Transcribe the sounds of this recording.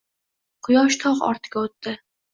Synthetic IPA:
qʰʊjɒʃt̪ʰɒqɒ̰ɾt̪ʰɪɡʲaot̪ːɪ

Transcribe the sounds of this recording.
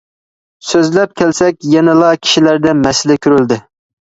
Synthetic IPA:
søzlɛp̚kʲʰɛlsɛkʲjɛnɛlˠɑkʲʰi̥ʃilæɾd̪ɛmɛsɪlɪkʲʰyɾyld̪ɪ

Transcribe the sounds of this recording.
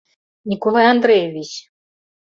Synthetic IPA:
nʲikolˠajand̪ɾɛjevʲit͡ɕ

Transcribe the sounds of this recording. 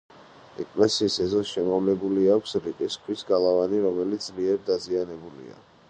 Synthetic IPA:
ɛ̰kʼlɛsiːsɛzɔsʃɛmɔvlɛbuliakʷʰsɾiq̪ʼiskʰwisɡalˠavaniɾɔmɛlit̪zʼliɛɾd̪azianɛbulḭa̰

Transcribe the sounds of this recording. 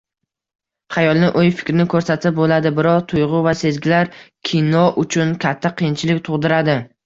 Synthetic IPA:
χajɒlˠnɪʔojfɪ̥kʲɾɪnɪkʰɵɾsat̪ʰɪp̚bolad̪ɪbɪɾɒqt̪ʰʊjʁʊvase̞zɡʲɪlaɾkʲʰinɒʔʊt͡ʃʰʊnkʲʰat̪ʰːaqʰɨjɪnt͡ʃʰɪlɪkʲt̪ʰʊʁd̪ɪɾad̪ɪ

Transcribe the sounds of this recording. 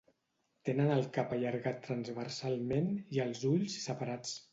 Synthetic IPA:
t̪enənəlˠkapəʎəɾɣat̪ːɾənzβərsalˠmeniəlˠzuʎzi̥səpəɾat͡s

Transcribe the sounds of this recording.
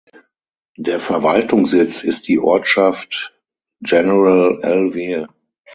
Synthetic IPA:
deːɐfɛɐvaltʊŋsz̥ɪt͡sɪst̚d̥iːʔɔɐtʃaft | d͡ʒɛnəʁəlɛlvi

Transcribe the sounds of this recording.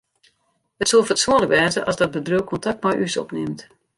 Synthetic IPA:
ətsolˠfətsuənləkʋɛːzəʔɔsdɔt̚bədrøwkʰɔntak̚tmɔjʔysɔ̰pnɪmt

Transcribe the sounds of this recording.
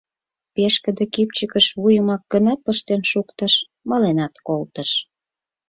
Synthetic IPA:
peʃkə̆d̪ĕkip̚t͡ɕəkəʃβujəmɑk̚ːənəpəʃt̪enʃukt̪əʃ | mɑlenɑt̪kolt̪ə̆ʃ

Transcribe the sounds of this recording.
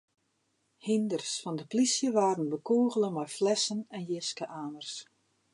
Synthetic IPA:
hindərsfɔndəplisjəʋaːrənbəkoːɣəlˠənmɛjflɛsənɛnjɪskəʔaːnərs

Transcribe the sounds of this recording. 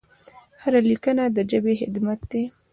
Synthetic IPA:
haɾalikənad̪əd͡ʒəbehɪ̰d̪mat̪̚d̪e

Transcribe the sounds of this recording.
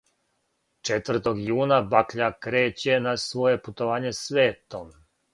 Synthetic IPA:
t͡ʃet̪ʋr̩t̪o̞ɡjuːnabakʎakɾeːt͡ɕe̞nasʋo̞je̞put̪oʋaːɲesʋeːt̪om

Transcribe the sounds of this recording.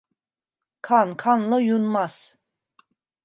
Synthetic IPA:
kʰankʰanlˠɯjunmas

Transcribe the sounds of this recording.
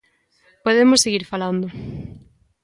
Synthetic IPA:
poðemʊseɣiɾfaland̪ʊ

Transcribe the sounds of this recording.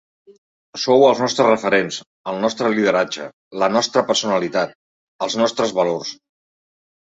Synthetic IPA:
sowəlˠznɔst̪ɾərəfəɾens | əlˠnɔst̪ɾəliðəɾad͡ʒə | lənɔst̪ɾəpəɾsunəlit̪at̪̚ | əlˠznɔst̪ɾəzβəlors

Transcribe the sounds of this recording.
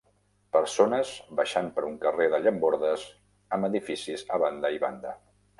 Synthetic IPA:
pəɾsonəzβəʃampəɾuŋkəreðəʎəmboɾðəz | əməðifisizəβand̪əiβa̰nd̪ə

